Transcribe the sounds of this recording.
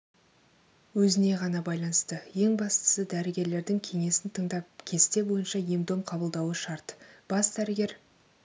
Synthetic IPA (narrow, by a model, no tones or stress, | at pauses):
wɵzɪne̞ʁɑnɑbɑjlˠɑnəst̪əje̞ŋbɑst̪ə̥səd̪æɾɪɡʲe̞ɾle̞ɾd̪ɪŋkʲʰe̞ŋe̞sɪnt̪ʰəɴd̪ɑp̚kʲʰe̞st̪e̞bo̞jənʃɑjemd̪o̞mqʰɑbəlˠd̪ɑwəʃɑɾt̪b̥ɑsd̪̥æɾɪɡʲe̞ɾ